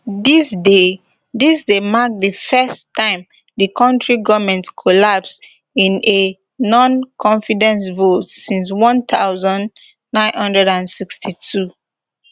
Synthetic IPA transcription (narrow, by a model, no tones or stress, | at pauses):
disde | disdemak̚dəfɛstʰːãɪ̃m | dəkʰɔ̃ntɹiɡʌvmɛ̃ntkʰɔlaps | ĩne | nɔ̃nkʰɔ̃ɱfidɛ̃nsvotsĩns̬wɔ̃nt̪ʰaʊzɔ̃n | nãɪ̃nhʌ̃ndɹɛdãnsikstʰitʰu